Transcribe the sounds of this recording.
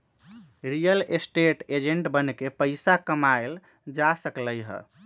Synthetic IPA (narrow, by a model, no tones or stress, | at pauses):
ɾijəlesʈeʈed͡ʒeɳʈbənkepəɪsakəmael | d͡ʒasəkləjɦə̰